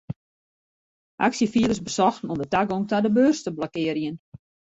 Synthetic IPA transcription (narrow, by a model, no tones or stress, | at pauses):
ʔa̰ksjəfiələsbəsɔxn̩ɔmdətaɡoŋtadəbøːrstəblɔkɪəɾjən